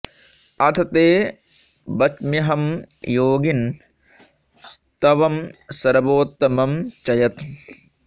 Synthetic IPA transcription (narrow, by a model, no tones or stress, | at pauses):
ɐt̪ʰɐt̪eː | bɐt͡ʃmiɦɐm | joːɡin | s | t̪ɐʋɐmsɐɾɐboːt̪ːɐmɐmt͡ʃɐjɐt̪